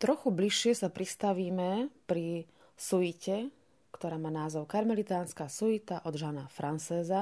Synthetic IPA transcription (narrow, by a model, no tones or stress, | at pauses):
t̪ɾɔxubliʃːɪɛsapɾist̪aʋiːmɛpɾi | suicɛ | kt̪ɔɾaːmaːnaːzɔʊkaɾmɛlit̪aːnskaːsuit̪aʔɔd̪ʒanafɾʔant͡sɛːza